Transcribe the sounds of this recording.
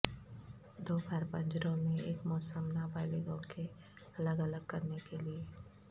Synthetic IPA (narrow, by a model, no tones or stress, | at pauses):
d̪oːbaːɾpə̃ɲd͡ʒɾõmẽḛːkmɔːsəmnabaːliɡõke | ɐləɡələɡ̚kɐɾnekelieː